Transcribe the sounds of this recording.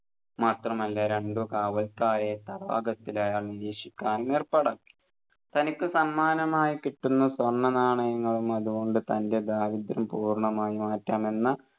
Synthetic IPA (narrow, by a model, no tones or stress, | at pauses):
maːt̪rɐmɐlːaɾe̞ɳɖukaːʋɐlkaːɾet̪ɐrʋa̰ːɡɐt̪ːilɐjaːɭniɾiːʂikʲːaːnumerpɐɽakːi̥ | t̪ɐnikʲːɨsɐnmaːnɐmaːjikiʈːunːɐsʋɐrɳːɐnaːɳɐjɐŋːɐɭumɐðuɣo̞ɳɖɨt̪ɐnde̞d̪aːʋid̪ɾɐmpuːrɳɐmaːjimaːtːaːme̞nːɐ